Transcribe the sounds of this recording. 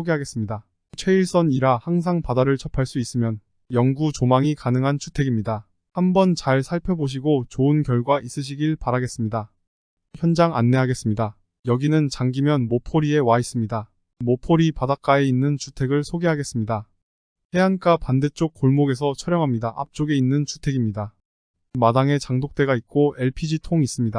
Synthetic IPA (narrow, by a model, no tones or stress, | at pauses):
oɡeɦaɡe̞s͈ɯmɲida | t͡ɕʰwe̞iɭs͈ʌniɾahaŋs̬ʰaŋpadaɾɯɭt͡ɕʰʌpʰaɭs͈uis͈ɯmjʌn | jʌŋɡut͡ɕomaŋikanɯŋɦant͡ɕʰutʰe̞ɡimɲida | hambʌnt͡ɕaɭsʰaɭpʰjʌboɕ̬ʰiɡot͡ɕoɯnkjʌɭɡwaʔis͈ɯɕ̬ʰiɡiɭpaɾaɡe̞s͈ɯmɲida | çjʌnd͡ʑaŋa̰nːe̞ɦaɡe̞s͈ɯmɲida | jʌɡinɯnt͡ɕaŋɡimjʌnmopʰoɾie̞wais͈ɯmɲida | mopʰoɾipadak͈aeinːɯnt͡ɕʰutʰe̞ɡɯɭsʰoɡeɦaɡe̞s͈ɯmɲida | he̞ank͈apandet͡ɕ͈ok̚k͈oɭmoɡe̞sʰʌt͡ɕʰʌɾjʌŋɦamɲidaʔa̰p̚t͡ɕ͈oɡe̞inːɯnt͡ɕʰu̥tʰe̞ɡimɲida | madaŋe̞t͡ɕaŋdok̚t͈e̞ɡaik̚k͈oe̞ɭpʰid͡ʑitʰoŋis͈ɯmɲida